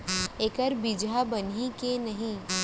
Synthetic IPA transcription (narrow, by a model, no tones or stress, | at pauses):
eːkəɾbid͡ʒabɐnikenɐɦĩ